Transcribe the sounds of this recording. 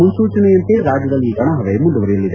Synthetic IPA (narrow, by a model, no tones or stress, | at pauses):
munsuːt͡ʃɐnejɐnt̪eɾaːd͡ʒːɐd̪ɐlːiːkɐɳɐɦɐʋemuɳɖuʋɐɾijɐlːid̪e